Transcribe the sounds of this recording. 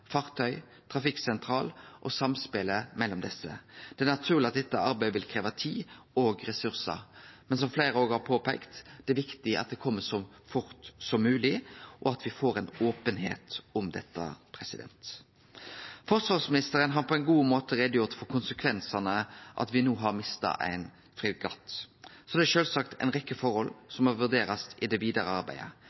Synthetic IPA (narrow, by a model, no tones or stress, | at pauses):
fɑʁt̪ʰœʏ | t̪ʰɾɑfɪksɛnt̪ʰɾɑːlʔɔsɑmspeːləmɛlːɔmd̪ɛsːə̰d̪̥ɛæɾnɑt̪ʰʉːʁlɪɑt̪̚d̪ɛt̪ːəɑɾbæɪəʋɪlkʰɾeːʋɑt̪ʰiːoːɡɾɛsʉʁsə̰ɾmɛns̬ɔmfleɪɾəoːɡhɑɾpʰoːpɛɪkt̪d̪̥ɛæʋɪkt̪ɪʔɑ̰t̪̚d̪ɛkʰɔmːəsɔ | fʊɾt̪sɔmːʉːlɪʔɔɑt̪ʋɪfoːɾɛnoːpənɦḛːt̪ɔmd̪ɛ̰t̪ːə̰pʰɾɛsɪd̪ɛ̰nt̪ | fɔʁsʋɑʁsmɪnɪst̪əɾənɦɑɾpʰɔæɪnɡuːmoːt̪əɾɛd̪əjʊɾt̪fɔɾkʊnsəkʰʋɛnsɑnəʔɑ̰t̪ʋɪnuːɦɑɾmɪst̪ɑ̰ʔæ̰ɪn | fɾiːɡɑ̰t̪ːsɔd̪ɛæʃøːlsɑkt̪ʰæ̰ɪnʁɛkːəfɔɾhɔlːsɔmɔʋʉɾd̪eːɾɑsɪd̪ɛʋiːd̪ɑɾəɑɾbæ̰ɪə̰